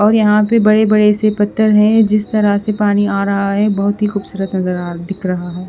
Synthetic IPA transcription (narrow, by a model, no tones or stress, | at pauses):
ɔːɾjɐɦãpebɐɽebɐɽesepɐt̪ːəɾɦɛ̃d͡ʒɪst̪ɐɾasepaːniaːɾɐɦaɦɛbɐɦʊt̪ɦixuːbsuːɾət̪nɐzəɾad̪ɪkʰɾɐɦaɦɛː